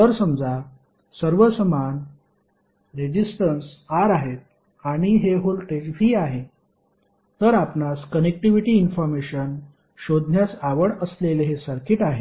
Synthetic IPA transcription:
t̪əɾsəmd͡za | səɾʋəsəman | ɾed͡ʑisʈənsaɾaɦet̪̚ | aɽ̃iɦeɦolʈed͡ʑfiːaɦe | t̪əɾapnaskənek̚ʈiʋiʈiːnfɔɾmeɕən | ɕod̪ʱnjasaʋəɽəsleleɦesəɾkiʈaɦe

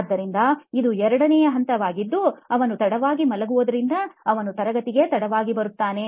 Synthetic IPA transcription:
d̪ːɐɾind̪ɐid̪uɛɾɐɽɐnɛjɐɦɐnt̪ɐʋaːɡid̪ːuɐʋɐnut̪ɐɽɐʋaːɡimɐlɐɡuʋod̪ɐɾind̪ɐɐʋɐnut̪ɐɾɐɡɐt̪iɡe̞t̪ɐɽɐʋaːɡibɐɾut̪ːaːne̞

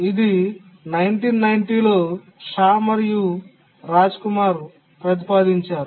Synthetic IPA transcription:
id̪i | nɐjɳʈiːnːɐjɳʈiːlo̞ː | ʃaːmɐɾju | ɾaːd͡ʒkumaːɾ | pɾɐt̪̬i̥paːd̪iɲt͡ʃaːɾu

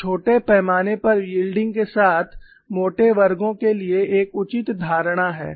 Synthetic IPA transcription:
t͡ʃʰoːʈepɛːmaːnepɐɾʋiːlɖɪ̃ŋɡkesaːt̪ʰ | moːʈeʋɐɾɡõkelieʔeːkʊt͡ʃɪt̪d̪ʱaːɾɽ̃aɦɛ̰ː

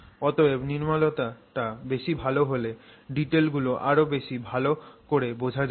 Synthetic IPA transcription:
ɔt̪oeniɾmalot̪aʈabeʃibʱaloɦole | ɖiʈelɡuloʔaɾobeʃibʱalokoɾebod͡ʑʱad͡ʑa

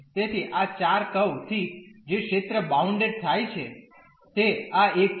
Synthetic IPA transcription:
t̪et̪ʰiʔat͡ʃaɾkəwt̪ʰid͡ʒekʃet̪ɾəbauɳɖeɖ̚t̪ʰajt͡ʃʰe | t̪eaek

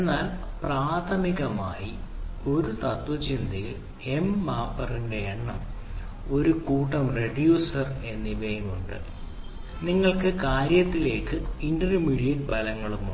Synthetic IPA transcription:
enːaːl | praːt̪ʰɐmiɣɐma̰ːjio̞ɾut̪ɐt̪ʋɐt͡ɕind̪ʱiji | e̞mːaːpːɐrinde̞eɳːɐm | o̞ɾukuːʈːɐmre̞ɖjuːsɐre̞nːiʋejumuɳɖɨ̰ | niŋːɐɭkɨkaːɾjɐt̪ːile̞ːkːɨiɳɖɐnimiɽijɐl̚bɐlɐŋːɐɭumu

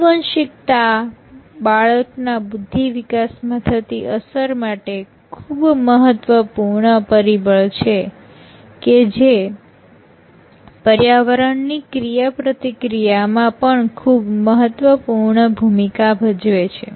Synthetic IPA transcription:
ʋənʃɪkt̪a | baɭəknabud̪ʱːiʋikasmãt̪ʰət̪iʔəsəɾmaʈe | kʰubməɦət̪ʋəpuɾɳəpəɾibəɭt͡ʃʰe | ked͡ʒe | pəɾjaʋəɾəɳnikɾijapɾət̪ikɾijamãpəɳkʰubməɦət̪ʋəpuɾɳəbʱumikabʱəd͡ʒʋet͡ʃʰḛ

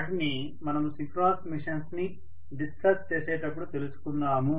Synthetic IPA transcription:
ʈni | mɐnɐmusikɾaːsmiʂɐnsni | ɖiskɐɾst͡ʃeːsɛːʈɐpːuɽut̪e̞lusu̥kunːaːmu

